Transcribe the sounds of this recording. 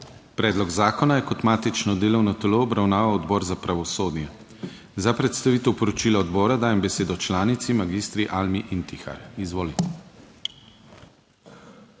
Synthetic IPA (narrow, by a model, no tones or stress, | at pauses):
pɾɛːd̪lɔɡzaːkɔnajɛkɔt̪maːt̪it͡ʃnɔd̪eːlɔwnɔt̪ɛloːbɾawnaːʋawɔd̪bɔːɾzapɾaʋɔsoːd̪njɛ | zapɾɛt̪st̪aʋiːt̪ɛwpɔɾɔt͡ʃiːlaɔd̪bɔːɾad̪aːjɛmbɛseːd̪ɔt͡ʃlaːnit̪simaɡiːst̪ɾiʔalmiʔint̪ixa̰ɾizʋoːlit̪